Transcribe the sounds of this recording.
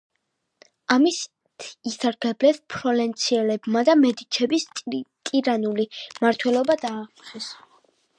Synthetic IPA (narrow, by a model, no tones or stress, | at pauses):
amis | t̪ʰisaɾk̪ʰlɛblɛspʰɾɔlɛnt̪sʰiɛlɛbmad̪amɛd̪it͡ʃʰɛbisʼt̪ʼiɾanulimaɾt̪ʰwɛlɔbad̪aːχχɛs